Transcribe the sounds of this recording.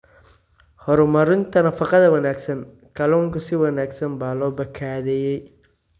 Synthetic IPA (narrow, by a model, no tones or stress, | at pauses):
hɔɾʊmɐɾɪnt̪ʰɐnɐfɐqɐðɐwɐnaːɡsɐn | kɐlɔːŋkʊsɪwɐnaːɡsɐnbaːlɔːbɐkʰaːðɛːjɛj